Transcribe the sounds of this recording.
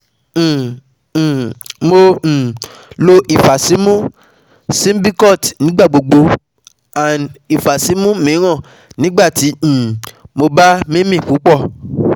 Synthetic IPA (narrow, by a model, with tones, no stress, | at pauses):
mõ˧˨ | lo˧ʔi˨fa˨si˨˦mũ˦ | sĩ˦m̩˦bi˦kɔ˦˨tnĩ˨˦ɡ͡ba˦˨ɡ͡bo˨ɡ͡bo˧ | a˨n˨i˨fa˨si˨˦mũ˦mĩ˨˦ɾ̃ɔ̃˦˨ | nĩ˨˦ɡ͡ba˦˨tĩ˨˦˨mo˧ba˦mĩ˦mĩ˦˨ku˨˦k͡pɔ˦˨